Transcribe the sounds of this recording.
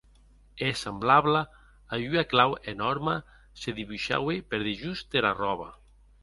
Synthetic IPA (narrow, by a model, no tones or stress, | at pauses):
esemblaβlaː | jyaklawenɔɾma | seðiβuʃa̰wepeɾðeʒust̪eɾarɔβa̰